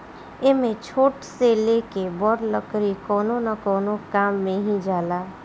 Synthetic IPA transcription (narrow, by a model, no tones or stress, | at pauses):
emẽt͡ʃʰoːʈselekebɔɾləkɾikɔːnonəkɔːnokaːmːẽɦĩd͡ʒaːla